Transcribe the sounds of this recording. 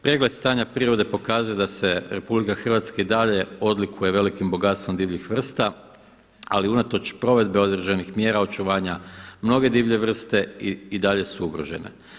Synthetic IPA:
pɾeɡle̞d̪st̪aːɲapɾiɾo̞d̪e̞po̞kaːzuje̞d̪ase̞ɾe̞publikaxr̩ʋat̪skaid̪aʎe̞o̞d̪likʰuje̞ʋe̞likimbo̞ɡat̪st̪ʋo̞md̪iːʋʎixʋr̩st̪a | aliunat̪o̞t͡ʃpɾo̞ʋe̞d̪be̞o̞d̪ɾeʒenixmje̞ːɾao̞t͡ʃuʋaːɲamno̞ɡe̞d̪iːʋʎe̞ʋr̩st̪e̞iid̪aʎe̞suuɡɾo̞ʒe̞̰ne̞̰

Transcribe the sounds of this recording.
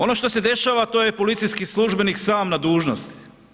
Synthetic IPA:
o̞no̞ʃt̪ose̞d̪e̞ʃaʋat̪o̞ːjepo̞lit̪sijskisluʒbe̞niksaːmnad̪uːʒnost̪

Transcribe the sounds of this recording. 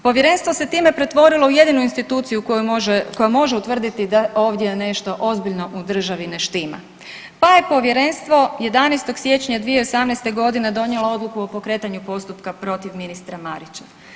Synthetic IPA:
po̞ʋje̞ɾe̞nst̪ʋo̞se̞t̪iːme̞pɾe̞t̪ʋo̞ɾilˠo̞uje̞d̪inuinst̪it̪uːt̪sijukʒkojomo̞ʒeut̪ʋr̩d̪it̪id̪ao̞ːʋd̪je̞ne̞ʃt̪o̞ʔo̞zbiʎno̞ʔud̪r̩ʒaʋineʃt̪iːma̰ | paje̞po̞ʋje̞ɾe̞nst̪ʋo̞je̞d̪anejst̪o̞ɡsje̞t͡ɕɲad̪ʋijeosamnejst̪e̞ɡo̞d̪ine̞d̪o̞njeloo̞d̪lˠukuo̞po̞kɾe̞ːt̪aɲupo̞st̪upkapɾo̞t̪iʋminist̪ɾamaɾit͡ɕḁ

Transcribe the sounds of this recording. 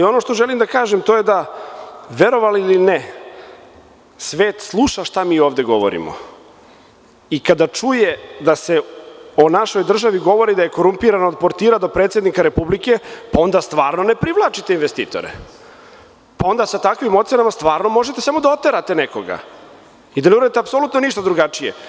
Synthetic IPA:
alio̞no̞ʃt̪o̞ʒelimd̪akaːʒemt̪o̞jed̪a | ʋe̞ɾo̞ʋaliline | sʋeːt̪slˠuʃaʃt̪amiːoːʋd̪e̞ɡo̞ʋo̰ɾḭmo̰ | ikad̪at͡ʂuje̞d̪ase̞onaʃo̞jd̪r̩ʒaʋiɡo̞ʋo̞ɾid̪aje̞ko̞ɾumpiɾanood̪̚po̞ɾt̪iːɾad̪o̞pɾeːt̪se̞d̪nikaɾe̞publike̞pao̞nd̪ast̪ʋaːɾno̞ne̞pɾiʋlˠaːt͡ʃit̪einʋest̪iːt̪o̰ɾḛ | pao̞nd̪asat̪akʋimot̪se̞namast̪ʋaːɾno̞mo̞ʒet̪esamo̞d̪ao̞t̪ːe̞ɾat̪e̞nekoɡa̰ | id̪aneuɾad̪it̪eapsolut̪noniʃt̪ad̪ɾuɡat͡ʂije

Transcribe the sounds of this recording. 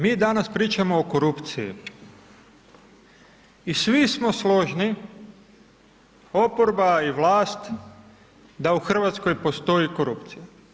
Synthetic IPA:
miːd̪anaspɾiːt͡ʃamoːko̞ɾupt̪sijḭ | isʋismo̞slˠo̞ʒni | o̞poɾbaiʋlˠaːst̪ | d̪auxr̩ʋat̪sko̞jpo̞st̪o̞jiko̞ɾupt̪sija

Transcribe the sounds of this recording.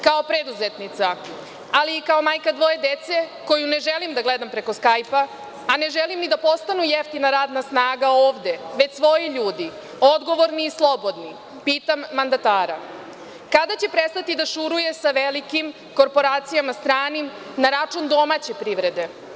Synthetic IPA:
kao̞pɾed̪uzet̪nit̪sa | aliːkao̞maːjkad̪ʋo̞je̞d̪et̪se̞ko̞june̞ʒelimd̪aɡled̪ampɾe̞ko̞skajpaː | ne̞ʒelimnid̪apo̞st̪anujeft̪inaɾaːd̪nasnaːɡaoːʋd̪e̞ʋe̞t͡ɕsʋo̞jiʎuːd̪i | o̞d̪ɡo̞ʋo̞ɾniːslˠo̞bo̞d̪ni | piːt̪amːand̪at̪aːɾa̰ | kad̪at͡ɕe̞pɾest̪at̪id̪aʃuɾuje̞saʋelikim | ko̞ɾpo̞ɾaːt̪sijamast̪ɾaːnim | naɾat͡ʂund̪o̞mat͡ɕe̞pɾiʋɾe̞d̪e̞

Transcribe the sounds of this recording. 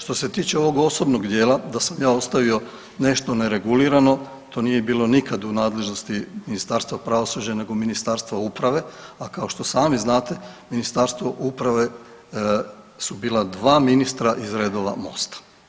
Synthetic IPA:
ʃt̪o̞se̞t̪iːt͡ɕe̞o̞ʋo̞ɡo̞so̞bno̞ɡd̪je̞ːlad̪asamjaːo̞st̪aʋio̞ | ne̞ʃt̪o̞neɾe̞ɡuliɾano̞ | t̪ʰo̞ːnijebiːlo̞nikad̪unaːd̪le̞ʒno̞st̪iminist̪aɾst̪ʋapɾaʋosud͡ʑane̞ɡominist̪aɾst̪ʋaupɾaʋe̞akao̞ʃt̪o̞saːmiznaːt̪e̞minist̪aɾst̪ʋo̞ʔupɾaʋe̞ | subiːlˠad̪ʋaːminist̪ɾaʔizɾeːd̪oʋa̰mo̰st̪ḁ

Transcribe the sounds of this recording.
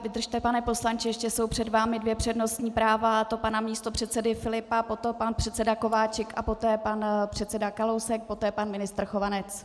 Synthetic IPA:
vɪd̪r̩ʃt̪ɛpanɛpo̞slant͡ʃɪjɛʃcɛso̞wpr̝̥ɛdvaːmɪdvjɛpr̝̥ɛdno̞st̪ɲiːpɾaːvat̪o̞panamɲiːst̪o̞pr̝̥ɛt̪sɛdɪfɪlɪpapo̞t̪opanpr̥ɛt̪sɛdako̞vaːt͡ʃɛkʔapo̞t̪ɛːpanpr̥ɛt̪sɛdakalowsɛk̚pot̪ɛːpanmɪnɪst̪r̩xo̞vanɛt͡s

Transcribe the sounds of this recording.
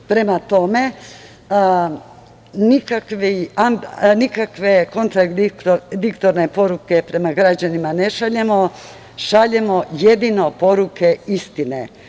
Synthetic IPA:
pɾe̞mat̪o̞me̞ | nikakʋianikakʋe̞ko̞nt̪ɾaɡ̪id̪ikt̪oɾne̞po̞ɾuke̞pɾe̞maɡɾad͡ʑanimane̞ʃaʎemo̞ | ʃaʎe̞mo̞je̞d̪ino̞po̞ɾuke̞ist̪inḛ

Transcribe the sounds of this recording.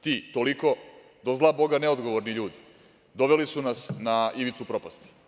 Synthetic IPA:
t̪iːt̪oliko̞ | d̪o̞zlˠabo̞ɡaneod̪ɡo̞ʋoɾniʎuːd̪i̥ | d̪o̞ʋelisunasnaiʋit̪supɾo̞past̪i̥

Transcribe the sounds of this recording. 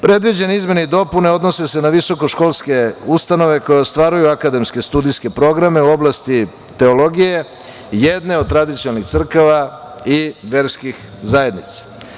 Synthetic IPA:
pɾe̞d̪ʋid͡ʑe̞neizme̞neid̪o̞pune̞o̞d̪nose̞se̞naʋiso̞ko̞ʃko̞lˠske̞ust̪ano̞ʋe̞ko̞jest̪ʋaːɾujuakad̪e̞mske̞st̪ud̪ijske̞pɾo̞ɡɾame̞uo̞blˠast̪i | t̪e̞olo̞ɡije̞ | jed̪ne̞od̪t̪ɾad̪it̪siolnixt̪sr̩kaʋa | iʋe̞ɾskix | zaje̞d̪nit̪sḁ

